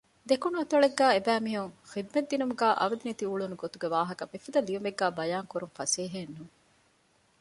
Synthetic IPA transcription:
d̪ekunuɐt̪ɐɭeɡːæːebæːmiɦuŋxid̪̚mɐd̪inumuɡæːʔɐ̰ʋɐd̪init̪iuɭunuɡot̪uɡeʋaːɦɐkɐmifɐd̪ɐliʋumeɡːæːbɐjaːŋkuɾuŋfɐseːɦenːuː

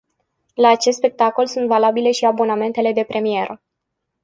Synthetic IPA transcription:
laːt͡ʃe̞st̪spe̞k̚t̪ako̞lsunt̪valabile̞ʃiabo̞name̞nt̪e̞le̞d̪e̞pɾe̞mie̞ɾʔə

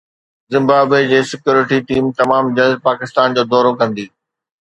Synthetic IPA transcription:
zɪ̃mbaːbwed͡ʑeːsɪkjuːɾɪʈiʈiːmt̪ɐmaːmd͡ʑɐlzpaːkɪst̪aːnd͡ʑoːd̪ɔːɾokɐ̃nd̪iː

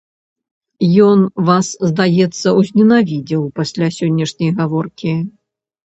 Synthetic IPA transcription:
jɔnvaszd̪ajɛt̪sːɐwzʲnʲɛnavʲid͡zʲiwpasʲlʲasʲɔnʲːɛʂnʲɐjɣavɔrkʲi

